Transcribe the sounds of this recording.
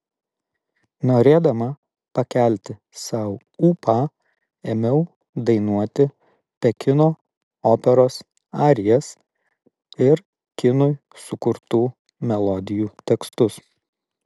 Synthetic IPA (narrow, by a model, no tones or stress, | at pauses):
noːɾʲeːd̪ɐmɐ | pɐkʲæˑlʲt̪ʲɪ | sɑˑʊ | uːpɑː | emʲɛʊ | d̪ɐɪnuɔt̪ʲɪ | pʲɛkʲɪnoː | oːpʲɛɾoːs | ɑːɾʲɪjɛs | ɪɾ | kʲɪnʊj | sʊkʊɾt̪uː | mʲɛlˠɔd̪ʲɪjuːt̪ʲɛkst̪ʊs